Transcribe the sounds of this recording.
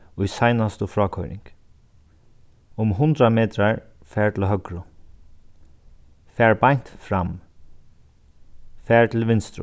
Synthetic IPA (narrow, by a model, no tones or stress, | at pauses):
ʊjsajnast̪ʊfɹɔːkʰɔjɾɪ̰ŋk | ʊmɦʊnt̪ɾameːt̪ɾaɹfɛːɹt̪ʰɪlɦœkɹʊ | fɛːɹbaɲt̪fɾam | fɛːɹt̪ʰɪlʋɪnst̪ɾʊ̰